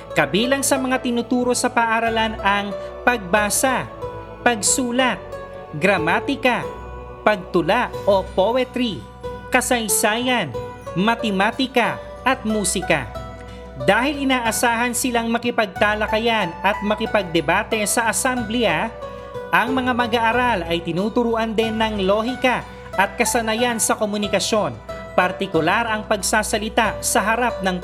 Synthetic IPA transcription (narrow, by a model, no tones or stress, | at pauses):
kɐbiːlɐŋsɐmɐŋat̪ɪnʊt̪uːɾo̞sɐpaʔaɾɐlanɐŋpɐɡ̚baːsɐ | pɐɡsuːlɐt̪̚ | ɡɾɐmaːt̪ɪkɐ | pɐɡ̚t̪ʊlaʔo̞powɛt̪ɾi | kɐsɐjsaːjɐn | mɐt̪ɛmaːt̪ɪkɐ | ʔɐt̪̚muːsɪka̰ | d̪aːhɪlɪnaːʔɐsaːɦɐnsɪlaŋmɐkɪpɐɡ̚t̪aːlɐkɐjanɐt̪̚mɐkɪpɐɡ̚d̪ɛbaːt̪ɛsɐʔɐsɛmbla | ʔɐŋmɐŋamɐɡaʔːɾalɐjt̪ɪnuːt̪ʊɾuːʔɐnd̪ɛnːɐŋlo̞ːhɪkɐ | ʔɐt̪̚kɐsɐnɐjansɐkomʊnɪkɐso̞n | pɐɾt̪ɪkʊlaɾɐŋpɐɡsaːsɐlɪt̪asɐɦɐɾap̚nɐŋ